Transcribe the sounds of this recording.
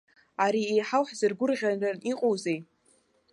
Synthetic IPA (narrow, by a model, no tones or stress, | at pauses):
aɾiejħawħzɨrɡʷʊrʁʲanraniqʼowzej